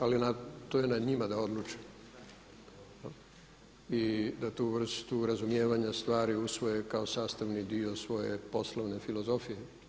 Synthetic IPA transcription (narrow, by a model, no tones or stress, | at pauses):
alinat̪ojenaɲimad̪ao̞d̪lˠut͡ʃi̥ | id̪at̪uʋr̩st̪uɾazumje̞ːʋaɲast̪ʋaːɾiusʋo̞jekao̞saːst̪aʋnid̪io̞sʋo̞jḛpo̞sloʋne̞filo̞zo̞fije